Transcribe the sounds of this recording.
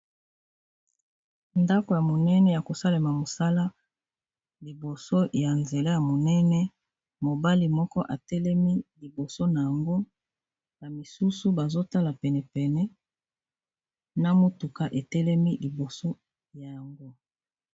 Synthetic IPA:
nda˦ko˨ja˨mo˨nɛ˦nɛ˦ja˨ko˨sa˦le˨ma˨mo˨sa˦la˦ | li˨bo˨so˦ja˨nze˨la˦ja˨mo˨nɛ˦nɛ˦ | mo˨ba˦li˨mɔ˦kɔ˦ʔa˨tɛ˦lɛ˦mi˦li˨bo˨so˦na˨ja˨ŋɡo˦ | na˨mi˨su˦su˦ba˨zo˦ta˦la˨pɛ˨nɛ˨pɛ˨nɛ˦ | na˦mo˦tu˨ka˨ʔe˨tɛ˦lɛ˦mi˦li˨bo˨so˦ | ja˨ja˨ŋɡo˦

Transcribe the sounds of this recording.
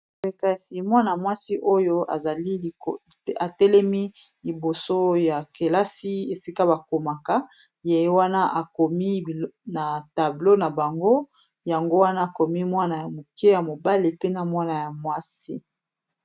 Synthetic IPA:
e˨ka˨si˨mwa˦na˨mwa˦si˦ʔo˦jo˦a̰˨za˨li˦˨ | a˨tɛ˦lɛ˦mi˦ | li˨bo˨so˦ja˨ke˨la˦si˦e˨si˦ka˦ba˨ko˨ma˨ka˦ | je˨jwa˦na˦ʔa˨ko˨mi˦bna˨ta˨blo˦na˨ba˨ŋɡo˦ | ja˨ŋɡo˦wa˦na˦a˨ko˨mi˦mwa˦na˨ja˨mo˨ke˦ja˨mo˨ba˦le˨pe˦na˨mwa˦na˨ja˨mwa˦si˦

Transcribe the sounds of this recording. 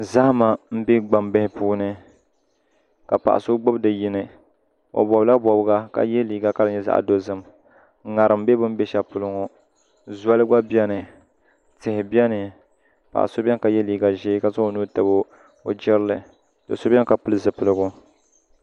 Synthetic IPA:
za˦hma˨m̩˦bi˦ɡ͡ba˨mbɪ˦hɪ˦puː˦nɨ˦ | ka˨pa̰˨ʔa̰˨so˦ɡ͡bʊ˦bdɨ˨ji˦nɨ˨ | o̰˨bɔ˨bla˦bɔ˨bɡa˦ka̰˨jɛ˦liː˨ɡa˦ka˦lɨ˦ɲɛ˦za̰˨ʔa̰˨do˦zɨ˦m˦ | ŋa˨ɾɨ˨m̩˦bɛ˦bʊ˦m˦bɛ˦ʃa˨pʊ˨lʊ˦ŋo˨ | za˦lɨ˦ɡʷa˦bjɛ˦nɨ˨ | tɪ˨hɪ˨bjɛ˦nɨ˨ | pa̰˨ʔa̰˨so˦bʲɛ˦nka˨jɛ˦liː˨ɡa˨ʒeː˦ka˦zʊ˦o˨nuː˦tɨ˨bo˦ | o̰˨d͡ʒɪ˦ɾlɨ˨ | tɨ̰˨so˦bʲɛ˦ka˨pʊ˦lɨ˦zɨ˨pɨ˨lɨ˦ɡʊ˦

